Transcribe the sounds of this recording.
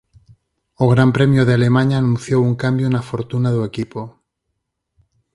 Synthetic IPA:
oɣ̞ɾampɾemjoðeale̞mãɲaːnũnθjowuŋkambjonafoɾt̪unaðue̞kipo

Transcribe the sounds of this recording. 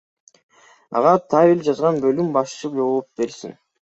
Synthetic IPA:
ɑ̰ʁɑt̪ʰavʲilʲd͡ʒɑzʁɑnbølymbɑʃt͡ʃɯd͡ʒoβup̚be̞ɾsin

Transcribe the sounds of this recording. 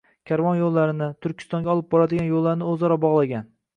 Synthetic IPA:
kʲʰaɾvɒnjolˠːaɾɪnɪt̪ʰʊɾkʲʰɪ̥st̪ɒŋɡʲɒlˠɪp̚bɒɾad̪ɪɡʲanjolˠːaɾnɪɵzɒɾɒbɒʁlˠaɡʲan

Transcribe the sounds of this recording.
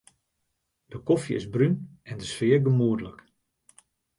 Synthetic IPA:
d̥əkɔfjə̰ɪ̰zbrynɛndəsfɪːrɡəmuədələk

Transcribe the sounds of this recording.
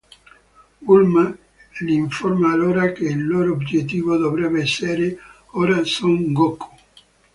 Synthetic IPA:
ulma | liiɱformaːloːɾakeilːoːɾoːbd͡ʒet̪ːiːvod̪ovɾɛbeɛsːeɾe | oːɾasoŋɡokʰːo̥

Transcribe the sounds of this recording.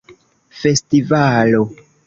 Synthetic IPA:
fe̞stivalo

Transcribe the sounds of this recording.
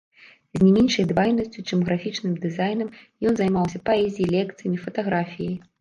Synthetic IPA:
zʲnʲɛmʲɛnʂɐjd̪vajnɐsʲt͡sʲut͡ʂɨmɣɾafʲit͡ʂnɨmd̪ɨzajnɐmjɔnzajmawsʲɐpaɛzʲijilʲɛkt̪sɨjɐmʲifɐt̪aɣɾafʲijɐj

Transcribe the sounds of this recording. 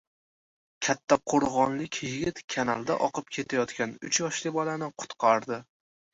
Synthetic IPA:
kʲʰat̪ʰːaqʰoɾʁɒnlɪkʲjɪɡʲɪt̪kʲʰanalˠd̪aʔɒqʰɨp̚kʲʰe̞t̪ʰajɒt̪kʲanʊt͡ʃʰjɒʃlɪbɒlanɪqʰʊ̥t̪qʰɑɾd̪ɪ

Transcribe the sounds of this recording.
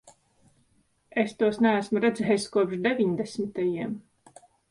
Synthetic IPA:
est̪uɔsnææsmuɾɛd̪zɛːjskuɔpʃd̪evʲiɲd̪esmit̪ajiɛm

